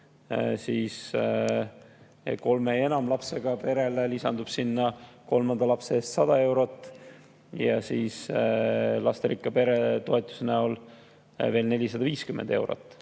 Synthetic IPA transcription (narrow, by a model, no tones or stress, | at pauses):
siːs | ko̞lmee̞nɑmlɑpse̞ɡ̥ɑpe̞ɾe̞lelisɑnd̪ub̥sinːɑko̞lmɑnd̪̥ɑlɑpseest̪sɑd̪̥ɑe̞wɾo̞t̪ːˑ | jɑ̰siːs | lɑst̪eɾikːˑɑpe̞ɾet̪o̞e̞t̪ːˑu̥seneo̞l | ve̞ːlne̞lʲisɑd̪̥ɑviːskymend̪̥e̞wɾo̞̰t̪ːˑ